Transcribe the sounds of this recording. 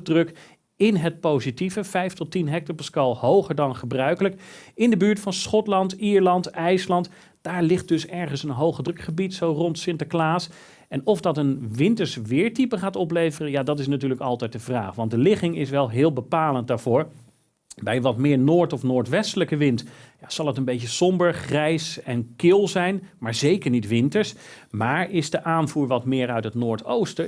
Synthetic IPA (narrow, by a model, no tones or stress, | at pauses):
drɵk | ɪnɦət̚powzitivəv̥ɛjftɔtːinɦɛk̚təɹpɛskɑlˠhowχəɹdɑnχəbrœɥkələkɪndəbyːɹtfɑnsχɔtlɑntiːɹlɑntɛjslɑnt | d̥aːɹlɪχt̚d̥ɵsɛɹχənsənɦowχədrɵkχəbitsowrɔntsɪntaklaːs | ɛnɔfdɑtənʋɪntəɹsʋɪːɹtipəχaːtɔplejvərəjaːdɑtɪs̬natyːɹləkɑlˠtɛjt̚dəvra̰ːχʋɑntdəlɪχɪŋɪsʋɛlˠɦɪːlˠbəpaːlənt̚daːɹv̥ʊːɹ | bɛjʋɑtmɪːɹnoːɹtɔfnoːɹtʋɛstələkəʋɪntjaz̥ɑlˠɦətənbejcəsɔmbəɹχrɛjsɛnkɪlˠzɛjnmaːɹzejkəɹnitʋɪntəɹsmaːɹɪzdəʔaːnvuːɹʋɑtmɪːɹœɥtɦətnʊːɹtowstə